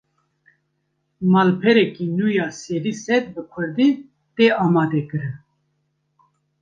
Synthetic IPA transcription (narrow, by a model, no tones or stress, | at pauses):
maːlpʰɛɾɛkiːnuːjaːseɾisɛt̪bɨkʷʰʊɾd̪iː | t̪eaːmaːd̪ekɨɾɨ